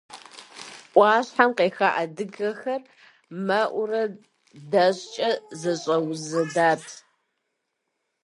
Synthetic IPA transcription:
ʔʷɑːɕħamqeːxaːʔadɨɡɐxɐr | mɐʔʷʊrɐ | dɐɕt͡ʃʼɐzɐɕʼɐwzɨdaːtʰ

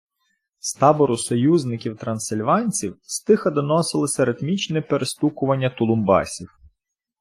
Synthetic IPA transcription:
st̪ɑbɔɾʊsɔjuznɪkʲiwt̪ɾɐnsɪlʲʋɑnʲt͡sʲiwst̪ɪxɐd̪ɔnɔsɪlˠɪsʲɐɾɪt̪mʲit͡ʃnɛpeɾest̪ukʊʋɐnʲːɐt̪ʊlˠʊmbɑ̰sʲiw

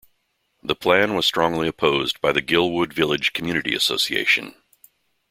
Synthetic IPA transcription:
ðəpʰl̥æ̃nwʌz̥stɹ̥ɔ̃ŋliɨpʰoʊzbaɪðɨɡɪlˠwʊdvɪlˠɨd̥ʒ̥kʰm̩jʉñɨɾḭɨ̰soʊsiḛɪʃɨ̰̃n

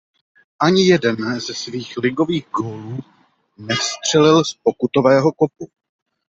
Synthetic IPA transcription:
ʔaɲɪjɛdɛnzɛsviːxlɪɡo̞viːɣɡoːluː | nɛfst̪r̝̥ɛlɪlsp̚o̞kut̪o̞vɛːɦo̞kop̚u

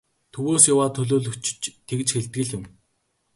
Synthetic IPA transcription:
t̪ʰɵwoːsjawaːt̪ʰɵɮoːɮɵt͡ɕ̆t͡ɕt̪ʰːekt͡ɕxeɮt̪̚ɡɘ̆ɮʊ̆m

